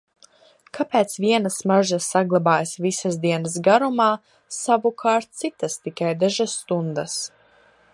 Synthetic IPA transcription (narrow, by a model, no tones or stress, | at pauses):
kapɛːt̪sʋiɛnasmaʒasːaɡlˠabaːjsvisasd̪iɛnəs̬ɡaɾumaː | savukʰaːɾt̪̚t̪sit̪ast̪ikajd̪aʒasːt̪und̪as